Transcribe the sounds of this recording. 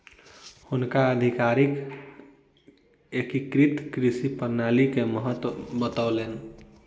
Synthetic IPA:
hunkaəd̪ʱikaɾik | ekikɾit̪kɾisipəɾnalikeməɦət̪wbət̪aʊlen

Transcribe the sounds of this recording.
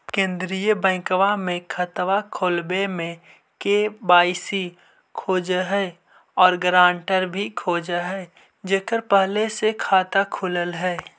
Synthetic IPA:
kẽːnd̪ɾijəbɛ̃ːɪ̃kəʋamẽkʰət̪ʋakʰoːlbemẽ | kebaːɪsi | kʰoːd͡ʒəɦɛ | ɔːɾɡɾãːɳʈəɾbʱikʰoːd͡ʒəɦɛː | d͡ʒeːkəɾpəɦlesekʰaːt̪akʰʊləlɦɛː

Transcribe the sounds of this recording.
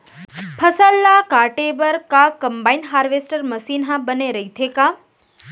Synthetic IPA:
pʰəsəlːakaʈebəɾkakəmbainɦaːɾʋesʈəɾməsinɦãbəneɾəɦit̪ʰeka

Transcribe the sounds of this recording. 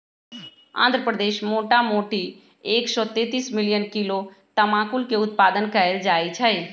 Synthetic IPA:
ã̰ːnd̪ɾəpɾəd̪eːʃmoːʈamoːʈi | eːksɔt̪eːt̪iːsmɪlijənkilo | t̪əmãːkulkeʊt̪̚paːd̪ənkəeld͡ʒaːjt͡ʃʰɛj

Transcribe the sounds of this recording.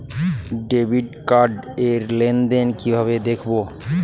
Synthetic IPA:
ɖebʱiɖkaɾɖeɾlend̪enkibʱaβed̪ekʰbo

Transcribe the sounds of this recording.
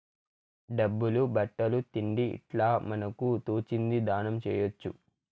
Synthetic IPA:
ɖɐbːulubɐʈːɐlut̪iɳɖiḭʈlaːmɐnɐkut̪oːt͡ʃind̪id̪aːnɐmt͡ʃɛ̰ːjot͡ʃːṵ

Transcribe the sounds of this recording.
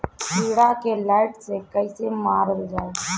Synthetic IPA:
biːɽakelaːɪʈsekəisemaːɾəld͡ʒaːe

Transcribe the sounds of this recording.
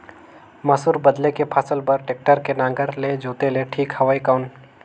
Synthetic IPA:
mɐsuːɾbɐd̪lekepʰaːsəlpɐɾʈeːk̚ʈəɾkenãːŋɡəɾled͡ʒoːt̪eleʈʰiːkhɐʋaːikaʊn

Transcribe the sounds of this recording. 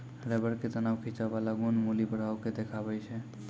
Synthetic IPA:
ɾɛbəɾket̪ənawkʰit͡ʃaʋalaɡonmulibəɽ̤aʊked̪ekʰabəjt͡ʃʰɛ

